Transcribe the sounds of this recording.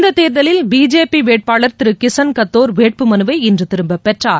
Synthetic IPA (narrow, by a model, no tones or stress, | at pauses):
nd̪ɐt̪ːeːɾðɐlɪlbiːd͡ʒeːpiʋeːʈ̚paːɭɐɾt̪ɪɾɯkɪsɐnkɐt̪ːoːɾʋeːʈ̚pɯmɐnɯʋɐɪɪndrɯt̪ɪɾɯmbɐpːɛʈraːɾ